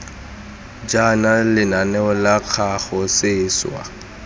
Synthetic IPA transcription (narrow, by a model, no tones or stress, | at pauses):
d͡ʒanalɪnanɛɔlaq͡χʰaχɔsɪːswa̰